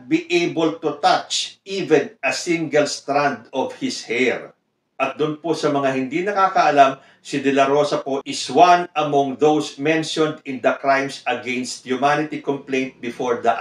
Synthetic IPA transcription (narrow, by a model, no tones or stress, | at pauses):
biʔejbolt̪ut̪at͡ʃivɛ̃nʔɐsĩŋɡɐlst̪ɾãnd̪ɔv̥hɪshɛɹ | ʔɐt̪̚d̪ʊnposɐmɐŋahɪnd̪inɐkaːkɐʔɐlam | sɪd̪ɛlɐɾo̞sɐpoʔɪswãnɐmɔ̃ŋðowsmɛ̃nʃɔ̃nd̪ɪ̃nd̪ɐkɹãjmsɐɡɛ̃nst̪̚hjʊmanɪt̪ikɔ̃mplẽj̃nt̪̚bɪfoɹd̪ɐʔ